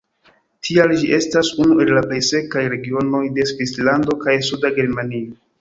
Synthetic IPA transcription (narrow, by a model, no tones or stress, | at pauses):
tʰiald͡ʒiʔe̞stasunue̞lːaple̞jse̞kajɾe̞ɡio̞no̞jde̞svislando̞kajsudaɡe̞ɾmanio